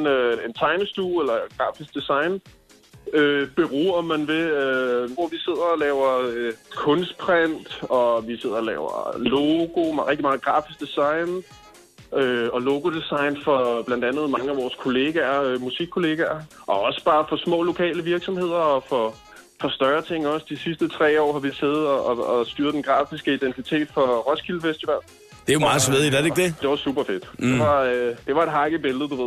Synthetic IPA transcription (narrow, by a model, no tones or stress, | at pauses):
nøe̝nt͡sʰɑ̈ɪnəsd̥uːelɐɡ̥ʁɑ̈ːfisɡ̥̚d̥esɑ̈ɪn | øb̥e̝ʁuːɐmænʋe̝øʋɒʋise̝ð̞̰ˠɐlɛːʊɐøkʰɔ̽nsd̥̚pʰʁɛn̰d̥ɒ̽ʋise̝ð̞̰ˠɐlɛ̰ːʊɐ̰loɡ̥o̝mʁeɡ̥̚d̥imɑ̈ːð̩ˠɡ̥ʁɑ̈ːfisɡ̥̚d̥esɑ̈ɪn | øɒ̽lo̝ɡ̥o̝d̥esɑ̈ɪnfɒ̽b̥læn̰d̥ænð̞̩ˠmɑ̈ŋəæʋɒːskʰo̝le̝ːɡ̥æɐmusiɡ̥̚kʰːo̝le̝ɡ̥æɐʔɒ̽ɒ̽sə̥b̥ɑ̈ːfɒ̽smɔ̰̽ːlo̝kʰɛ̰ːləʋiɐɡ̥sɒ̽mhe̝ð̰ˠɐɒ̽fɒ̽ | fɒ̽sd̥ɶɐt͡sʰe̝ŋ̰ɒ̽sd̥isisd̥ət͡sʰʁɛ̰ːɒ̰ːhɑ̈ʋiseːð̩ˠɒʔɒɒsd̥yɐð̥ˠenɡ̥ʁɑ̰̈ːfisɡ̥əid̥ent͡sʰit͡sʰe̝̰ːd̥fɒ̽ʁɒ̽skʰilfesd̥iʋɛl̰̩ | d̥ejomɑ̈ːsʋeðˠidædeɡ̚d̥ed̥e̝ʋɑ̈sṵb̥ɐfe̝d̥d̥e̝ʋɑ̈d̥e̝ʋɑ̈e̝d̥ɦɑ̈ɡ̥əb̥e̝lð̩ˠd̥uʋe̝ðˠ